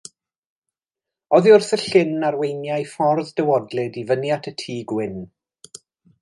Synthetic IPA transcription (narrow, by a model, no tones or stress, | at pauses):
ɔðiʊrθəɬɪnarwejnjajfɔrðd̥əwɔdlɪdivənjatʰətʰiːɡwɪn